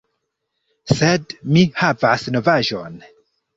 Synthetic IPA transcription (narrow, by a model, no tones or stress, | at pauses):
sedmihavasno̞vaʒon